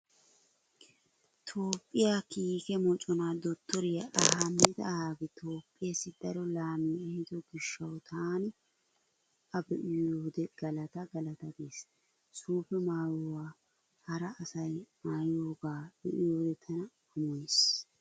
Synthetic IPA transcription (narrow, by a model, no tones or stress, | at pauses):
t̪ʰo̞ːpʼːɪjakiːkɛmɔt͡ʃʼɔnad̪ɔt̪ːɔɾɪjɐʔɐhamːɪt̪ɐhaːɡɪt̪ʰo̞ːpʼːɪjesːɪd̪̥ɐɾɔlaːmiɛhɪd̪ɔɡɪʃːɐwt̪ʰaːnɪ | ɐbɛʔɪjoːd̪ɛɡ̥ɐlɐt̪ɐɡɐlɐt̪ɐd̪eːs | suːfɛmaːjɔwaː | hɐɾɐʔːsɐjmaːjoːɡaːb̥ɛʔɪjoːd̪ɛt̪ʰɐnɐ | ʊmɔjɪs